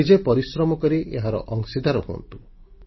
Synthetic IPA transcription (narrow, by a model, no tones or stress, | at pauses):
id͡ʒepɔɾisɾɔmɔkɔɾiʔeɦaɾɔ̰ʔɔŋsid̪ʱaɾɔɦuɔ̰nt̪u̥